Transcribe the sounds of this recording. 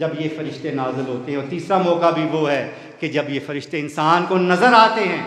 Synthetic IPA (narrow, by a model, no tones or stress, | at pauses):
d͡ʒɐbjefɐɾɪʃt̪enaːzɪlɦoːt̪eɦɛ̃ɔːɾt̪iːsɾamɔːkabʱiʋoɦɛː | ked͡ʒɐbjefɐɾɪʃt̪eɪnsaːnkonɐzəɾaːt̪eɦɛ̃ː